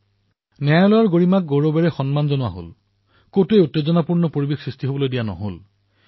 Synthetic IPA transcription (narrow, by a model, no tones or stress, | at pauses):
nɛajlɔjaɹɡoɹimak̚ɡoɹobɛɹɛxɔnmanzɔnʊwa̰ɦo̰l | kotuejutːezɔnapuɹnɔpoɹibexsɹistiɦobɔlojdijanɔ̰ɦo̰l